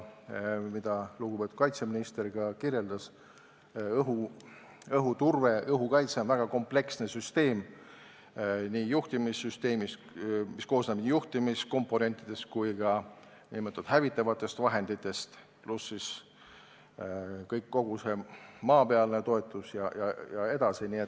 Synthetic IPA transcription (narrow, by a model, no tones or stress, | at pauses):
mid̪̥ɑluɡupe̞t̪u̥t̪̚kɑjt̪seminist̪e̞rɡ̥ɑkirje̞ld̪ɑs | ɤɦu | ɤɦut̪urve̞ʔɤɦukɑjt̪seonvæɡ̥ɑko̞mple̞ksne̞syst̪e̞ːm | niːjuht̪imisːyst̪e̞ːmis | misko̞ːsnebnijuht̪imisko̞mpːˑo̞ne̞nʲt̪ːˑid̪̥e̞skujɡ̥ɑ | nimɤt̪ːud̪ɦævit̪ːˑɑvɑt̪ːˑe̞st̪vɑɦe̞nd̪̥it̪ːˑe̞st̪ | plusːis | kɤjkːo̞ɡ̥use̞mɑːpeɑlne̞t̪o̞e̞t̪ːˑusjɑjɑjɑe̞d̪ɑsiniet̪